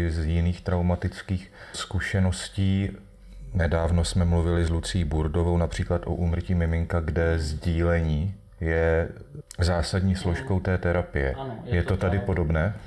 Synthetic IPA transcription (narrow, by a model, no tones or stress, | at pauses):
zjɪniːxt̪ɾawmat̪ɪt͡skiːx | skuʃɛno̞sciː | nɛdaːvno̞smɛmluvɪlɪzlut͡sɪjiːbuɾdo̞vownapr̝̥iːklat̪ʔo̞̰ʔuːmr̩ciːmɪmɪŋkaɡdɛzɟiːlɛɲiː | jɛ | zaːsadɲiːslo̞ʃko̞wt̪ɛːt̪ɛɾapɪjɛ̰jɛt̪o̞t̪adɪpo̞do̞bnɛː